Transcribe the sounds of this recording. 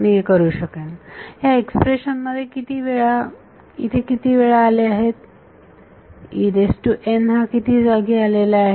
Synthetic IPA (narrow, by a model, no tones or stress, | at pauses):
mikəɾuːɕəkanjaekspɾeɕənməd̪ʱːjekit̪iːʋeɭa | ḭt̪ʰekit̪iːʋeɭaːleaɦet̪ | iɾesʈuʔenɦakit̪iːd͡zaɡealelaaɦ